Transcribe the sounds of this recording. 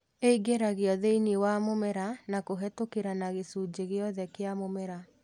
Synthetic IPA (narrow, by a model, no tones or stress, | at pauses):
eiɡeɾaɣeɔðeiniwamomɛɾanakoɦɛtokeɾanaɣesud͡ʑeɣeɔðɛkeamomɛɾa